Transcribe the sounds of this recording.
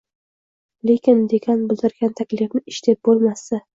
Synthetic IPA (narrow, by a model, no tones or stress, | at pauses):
le̞kʲɪnd̪ekʲʰanbɪlˠd̪ɪɾɡʲant̪ʰakʲlɪfnɪɪʃt̪ʰep̚bolˠmasɪ